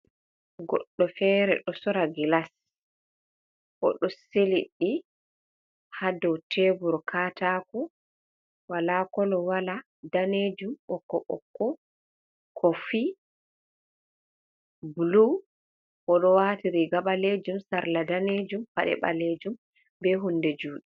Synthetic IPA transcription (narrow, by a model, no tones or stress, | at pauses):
ɡɔ̰ɗːɔfɛːɾɛ̰ɗɔsɔɾaɡilas | ʔɔ̰ɗɔseliɗːi | hadɔwtʰebuɾkʰataːkɔ | walakɔlɔwala | daned͡ʒumɓɔkːɔɓɔ̰kːɔ | kʰɔfi | bulu | kɔɗɔwatiɾiɡaɓaled͡ʒumsaɾladaned͡ʒumpa̰ɗɛ̰ɓa̰led͡ʒum | bɛɦundɛd͡ʒuːɗi